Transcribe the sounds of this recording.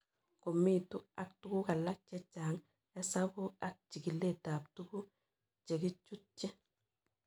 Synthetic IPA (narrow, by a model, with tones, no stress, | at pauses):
ko˨mːi˦tu˦a˦k̚tu˦ku˦ka˨lːa˦k̚t͡ʃɛ˦t͡ʃːa˨ŋ | ɛ˦sabu˦a˦k̚t͡ʃi˨ɡi˨lːe˦ta˨ptuku˦ | t͡ʃe˨ɡi˦t͡ʃːu˦t͡ʃːɛ˦